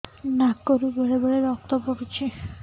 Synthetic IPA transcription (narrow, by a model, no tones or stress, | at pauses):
nakoɾubeɽebeɽeɾɔk̚t̪ɔpoɽut͡ʃʰi